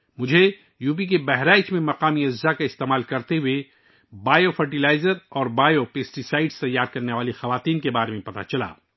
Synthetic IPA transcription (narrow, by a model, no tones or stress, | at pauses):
mʊd͡ʒʱe | juːp̬ik̬ebɛɦɾaːɪt͡ʃmẽmɐqaːmiɐd͡ʒzakaɪst̪eːmaːlkɐɾt̪eɦue | baːjofɐɾʈilaːɪzəɾɔːɾbaːjopeːsʈisaːɪɖst̪ɐjːaːɾkɐɾneʋaːlixɐʋaːt̪iːnkebaːɾemẽpɐt̪a̰t͡ʃɐla̰ː